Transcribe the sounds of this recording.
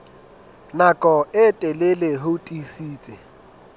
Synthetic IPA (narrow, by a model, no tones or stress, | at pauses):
nakʼɔɪtʼɛleleɦotʼisiːt͡sʼɪ